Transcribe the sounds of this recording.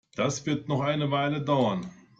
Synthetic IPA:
d̥asv̥ɪɐtnɔχʔaɪnəvaɪlədaʊɐn

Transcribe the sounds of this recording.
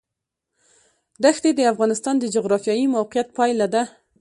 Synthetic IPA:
d̪axd̪ed̪əafɣɑnɪst̪ɑnd̪əd͡ʒʊɣɾɑfjɑjimawqijat̪̚pɑjlad̪a

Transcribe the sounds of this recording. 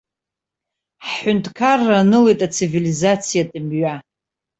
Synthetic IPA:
ħħʊntʰʼkʰarːanɨle̞jtʼat͡sʰivilizat͡sʰijadʼɨmɥa

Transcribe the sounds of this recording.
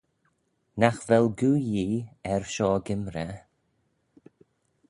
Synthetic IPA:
naxvɛlɡuːjiːɛɹʃɔːɡɪmɾə

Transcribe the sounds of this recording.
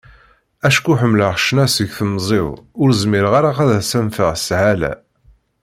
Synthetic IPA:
æʃkuħəmːləʁʃnæsəʝθəmzˤɪðʊɾzmɪɾəʁaɾaqæðæsænfəʁsʕalæ̰

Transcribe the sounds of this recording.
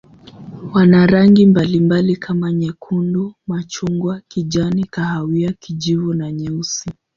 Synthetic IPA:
wanaɾaŋɡimbalimbalikʰamaɲɛkʰundumat͡ʃuŋɡwakiʄanikahawiakiʄivunaɲɛusi

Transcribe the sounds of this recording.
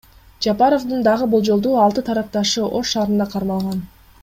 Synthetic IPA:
d͡ʒɑpɑɾofd̪ɯnd̪ɑʁɯbulˠd͡ʒo̞lˠd̪uːɑlˠt̪ɯt̪ʰɑɾɑq̚t̪ɑʃɯʔo̞ʃːɑːɾɯnd̪ɑqʰɑɾmɑlˠʁɑn

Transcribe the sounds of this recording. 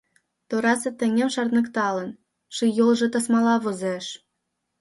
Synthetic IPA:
t̪oɾɑsĕt̪ɘ̆ŋĕmʃɑrt̪nɤ̆kt̪ɑlə̆n | ʃijolʒɤ̆t̪ɑsmɑlɑβozeʃ

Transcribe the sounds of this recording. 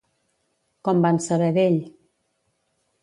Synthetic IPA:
kɔmbansəβɛðeʎ

